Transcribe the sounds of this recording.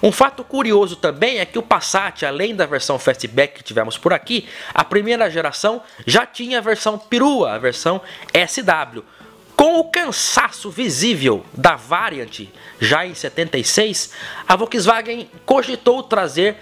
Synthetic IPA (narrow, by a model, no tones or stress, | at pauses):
ũfat̪ʊkuɾiozʊt̪ɐ̃bẽj̃ɛkɪʊpasat͡ʃɪalẽj̃d̪ɐveɾsɐ̃w̃fɛst͡ʃɪbɛkːɪ̥t͡ʃivɛ̰̃mʊspʊɾakiɐ̰pɾimejɾɐʒeɾasɐ̃w̃ʒat͡ʃĩɲɐːveɾsɐ̃w̃piɾuɐɐ̰veɾsɐ̃w̃ɛsɪd̪ablʊ | kõw̃ʊkɐ̃sasʊvizivewd̪ɐvaɾiɐ̃nt͡ʃɪ̰ʒaẽj̃set̪ẽnt̪ejsejsɐvokizvaɡẽ | kõʒit̪owt̪ɾazeɾ